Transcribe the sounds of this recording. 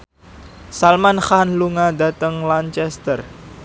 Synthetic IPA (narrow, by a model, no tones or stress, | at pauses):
salmanxanluŋada̤t̪əŋlant͡ʃɛst̪ər